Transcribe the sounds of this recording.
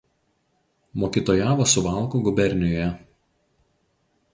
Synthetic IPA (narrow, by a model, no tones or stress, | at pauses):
moːkʲɪt̪oːjaːʋoːsʊʋɑˑlˠˑkuɡʊbʲɛɾʲnʲɪjoːjɛ